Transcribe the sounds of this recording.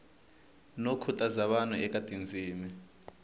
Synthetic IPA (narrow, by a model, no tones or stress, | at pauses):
nokʰutʼazaɓanuɛk̬ʼad̥ʱind͡zʱiːmi